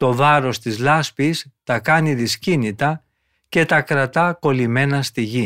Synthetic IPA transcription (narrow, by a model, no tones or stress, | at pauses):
t̪o̞vɐɾo̞st̪izlɐspist̪ɐkɐniðiscinit̪ɐ | ce̞t̪ɐkɾɐt̪ɐko̞lime̞nɐst̪iʝi